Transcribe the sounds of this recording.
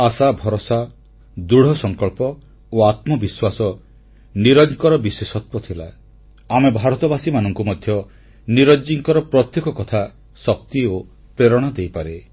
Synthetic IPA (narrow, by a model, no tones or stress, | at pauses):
asabʱɔɾɔsa | d̪uɽ̤ɔsɔŋkɔɭpɔ | oat̪mɔbiswasɔ | niɾɔd͡ʒkɔɾɔbiswesɔt̪wɔt̪ʰila̰ː | mebʱaɾɔt̪ɔbasimanɔŋkumɔd̪ʱjɔ | niɾɔd͡ʒiŋkɔɾɔpɾɔt̪jekɔkɔt̪ʰa | sɔk̚t̪io | pɾeɾɔɽ̃ɔd̪ejpaɾe